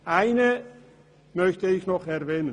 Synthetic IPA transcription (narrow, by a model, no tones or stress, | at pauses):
æjnə | mœçtəɪxnɔχɛrʋɛːnən